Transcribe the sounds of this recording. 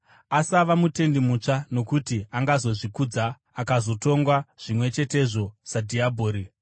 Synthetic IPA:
asaʋamute̞ndimut͡ʂano̞kutiaŋɡazo̞ʐikud͡zaː | kazo̞to̞ŋɡwaʐ̥imwe̞t͡ʃe̞te̞ʐo̞sadʱiabʱoːɾi

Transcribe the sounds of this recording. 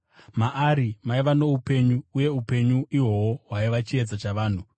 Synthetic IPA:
maʔaɾimaiʋano̞upe̞ɲuuje̞upe̞ɲuiwo̞woɦwaiʋat͡ʃie̞d͡zat͡ʃaʋaːn̤u

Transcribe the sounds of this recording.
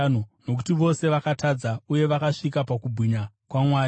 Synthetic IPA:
nono̞ku̥tiʋo̞se̞ʋakatʰad͡zauje̞ʋakaʂikapakubʱwiɲa | kwamwaː

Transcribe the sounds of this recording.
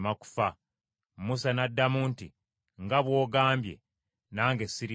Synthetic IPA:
maku̥fa | musanadːamuːnti | ŋɡaβwo̞ːɡaːmbje̞̰ | naːŋɡesiɾi

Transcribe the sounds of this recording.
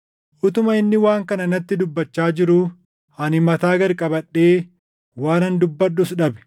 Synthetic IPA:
ʔʊt̪ʊmɐɪnːɪwaːŋkɐnɐnɐt̪ːɪd̪ʊbːɐt͡ʃːaːd͡ʒɪɾʊ | ɐnɪmɐt̪aːɡɐɾkʼɐbɐᶑːeː | waːnɐnd̪ʊbːɐᶑːʊsᶑɐbɛ̥

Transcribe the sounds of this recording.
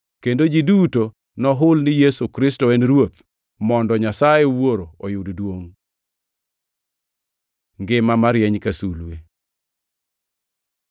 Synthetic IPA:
kendod͡ʒiduto | nɔɦʊlnɪjesukɾɪstɔɛnɾwot̪̚ | mɔndɔɲasajewoɾoojʊddwoŋ | ŋɡɪmamaɾjɛɲkasule

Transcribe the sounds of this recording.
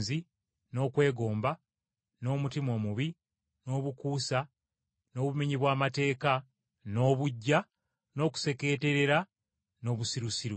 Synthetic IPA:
zi | no̞ːkwe̞ːɡo̞ːmba | no̞ːmutimo̞ːmuβi | no̞ːβukuːsa | no̞ːβumiɲiβwaːmate̞ːka | no̞ːβuɟːa | no̞ːku̥se̞ke̞ːte̞ɾe̞ɾa | no̞ːβusiɾusiɾu

